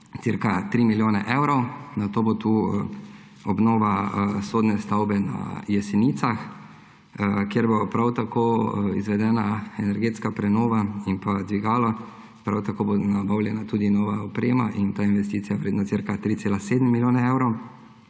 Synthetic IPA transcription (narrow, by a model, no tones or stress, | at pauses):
t̪siɾkat̪ɾiːmiljoːnɛ̰ʔɛwɾɔwnat̪oːbot̪uː | ɔbnoːʋasoːd̪nɛst̪awbɛna̰jɛsɛniːt̪sax | kjeɾbopɾawt̪akʰoːizʋɛd̪ɛːnaɛnɛɾɡeːt̪skapɾɛnoːʋaimpad̪ʋiɡaːla | pɾawt̪akoːbonabawlʲjɛnat̪uːd̪inɔːʋaɔpɾeːmaʔint̪ainʋɛst̪iːtsijaʋɾed̪nat̪siɾkat̪ɾitseːlaseːd̪mmːiljoːnɛɛwɾɔw